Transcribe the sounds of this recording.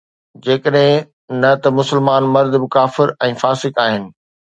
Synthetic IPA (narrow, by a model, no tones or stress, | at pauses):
d͡ʑeːkəɗɦɪ̃ | nɐt̪ɐmʊsɪlmaːnmɐɾd̪ʱbɪkaːfɪɾɛ̃ːfaːsɪkaːɦɪnɪ̆